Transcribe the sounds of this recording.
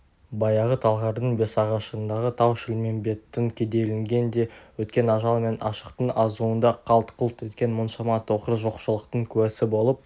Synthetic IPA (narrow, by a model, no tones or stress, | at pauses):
bɑjɑʁət̪ʰɑlˠʁɑɾd̪əɴbe̞sɑʁɑʃəənd̪ɑʁət̪ʰɑwʃɪlme̞nbe̞t̪ːɪŋkʲʰe̞d̪e̞lɪŋɡʲe̞nd̪e̞wɵt̪kʲe̞nɑʒɑlˠme̞nʔɑ̰ʃəqt̪əɴɑzuənd̪ɑqʰɑlˠt̪qʰʊlˠt̪ɵt̪kʲe̞nmənʃɑmɑt̪ʰoqəɾəʒo̞qʃəlˠəqt̪əɴkʲʰʉwæsɪbo̞lˠəp̚